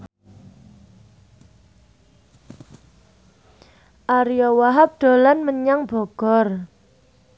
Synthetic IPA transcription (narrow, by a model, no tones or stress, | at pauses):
ʔaɾiɔwaɦap̚d̪̥o̤lanməɲaŋb̥ɔ̤ɡ̥ɔr